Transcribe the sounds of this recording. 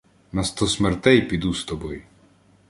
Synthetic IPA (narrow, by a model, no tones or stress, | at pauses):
nɐst̪ɔsmɛrt̪ɛjpʲid̪ust̪ɔbɔj